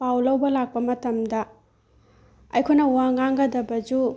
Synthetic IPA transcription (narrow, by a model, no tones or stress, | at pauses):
pawlɐwbɐlak̚pɐmɐtɐmdɐ | ɐ̰jkʰojnɐwaŋaŋɡɐdɐbɐd͡ʒu